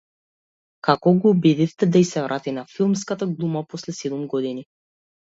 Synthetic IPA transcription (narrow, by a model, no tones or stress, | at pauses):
kakɔɡɔːbid̪ift̪ɛd̪aisɛvɾʔat̪inafilˠmskat̪aɡlˠumapɔslɛsɛd̪umɡɔd̪ini